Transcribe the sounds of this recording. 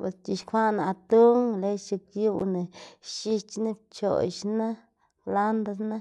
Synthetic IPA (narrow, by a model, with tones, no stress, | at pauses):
pḛ˨˧sti˧ʃkʰʷa˦na˨˧t̪u˦ŋle˦t͡ʃi˧kju˦˧ne˨ʃi˧t͡ʃna˦p̚t͡ʃo̰˨ʃna˦ | la˦nd̪a˧sna˦